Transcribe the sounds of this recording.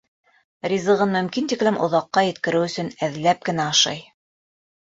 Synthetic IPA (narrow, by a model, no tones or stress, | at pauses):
rʲizɤ̆ʁɤnmɵ̆mkint̪iklɘmʔŏ̰ðɑqːɑjɘ̆t̪kɘ̆ɾɘwɵ̆sɵnæðlæp̚kɘ̆næɑʃɑ̰j